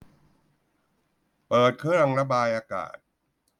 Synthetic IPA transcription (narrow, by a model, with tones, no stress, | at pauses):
pɤː˨˩t̪̚kʰɯ˦˥a˧ŋɾa˧˥baː˧jʔaː˧ka̰ː˨˩t̪̚